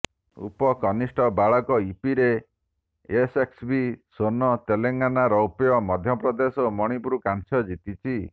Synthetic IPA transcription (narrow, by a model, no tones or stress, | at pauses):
ṵpɔkɔnisʈʰɔbaɭɔkɔipiɾe | eseksbisonɔt̪eleŋɡanaɾɔupijɔmɔd̪ʱjɔpɾɔd̪esɔmɔɽ̃ipuɾukant͡ʃʰɔd͡ʒit̪it͡ʃʰi